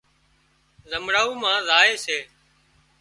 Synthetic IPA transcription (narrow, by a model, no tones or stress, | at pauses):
zəmɽaːuːmãːzaːeːseː